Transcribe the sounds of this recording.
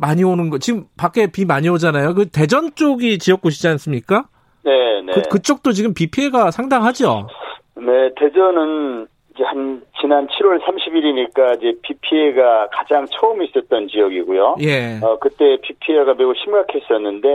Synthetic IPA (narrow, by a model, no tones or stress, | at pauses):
maɲionɯnɡʌt͡ɕiɡɯmpak͈e̞pimaɲiod͡ʑanajokɯte̞d͡ʑʌnt͡ɕ͈oɡit͡ɕijʌk̚k͈oɕ̬ʰid͡ʑians͈ɯmɲik͈a | ne̞nekɯt͡ɕ͈ok̚t͈ot͡ɕiɡɯmpipʰie̞ɡasʰaŋdaŋɦad͡ʑo̰ | ne̞te̞d͡ʑʌnɯn | id͡ʑehant͡ɕinant͡ɕʰiɾwʌɭsʰamɕʰibiɾiɲik͈aid͡ʑepipʰieɡakad͡ʑaŋt͡ɕʰʌɯmis͈ʌt̚t͈ʌnt͡ɕijʌɡiɡujoje̞ʌkɯt͈e̞pipʰieɡameuɕʰimɡakʰe̞s͈ʌnːɯnde̞